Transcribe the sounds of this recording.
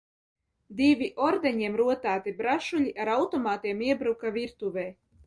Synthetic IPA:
d̪ivʲiʔɔɾd̪ɛɲiɛmɾuɔt̪æːt̪ibɾaʃuʎʲiʔaɾawt̪ɔmaːt̪iɛmiɛbɾukaviɾt̪uvɛj

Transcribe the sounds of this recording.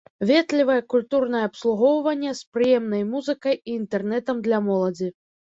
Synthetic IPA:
vʲɛt̪lʲivɐjɐkulʲt̪urnɐjɛɐpslˠuɣɔwvɐnʲːɛspɾɨjɛmnɐjmuzɨkɐjiːnt̪ɛrn̪ɛt̪ɐmd̪lʲɐmɔlˠɐd͡zʲi

